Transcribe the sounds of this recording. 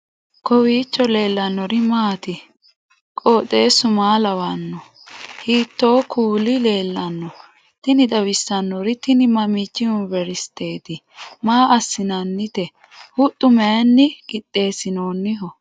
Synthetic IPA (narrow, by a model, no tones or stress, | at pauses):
kɔwiːt͡ʃːɔle̞ːlːɐnːɔɾɪmaːt̪ɪ | kʼoːt̪ʼːe̞ːsʊmaːlɐwɐnːɔ | hiːt̪ːo̞ːkʰuːlɪle̞ːlːɐnːɔ | t̪ɪnɪd̪ɐwɪsːɐnːɔɾɪt̪ɪnɪmɐmɪt͡ʃːɪʊnbɛɾɪst̪e̞ːt̪ɪ | maːʔɐsːɪnɐnːɪt̪ɛ | hʊt̪ʼːʊmɛɐnːɪɡɪt̪ʼːe̞ːsɪnoːnːɪɦɔ